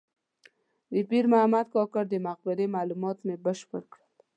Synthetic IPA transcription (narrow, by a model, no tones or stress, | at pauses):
d̪əpiɾmaamat̪̚kɔkəɾd̪əmaq̚bɪɾemalumɑt̪mebəʃpəɽkɽəl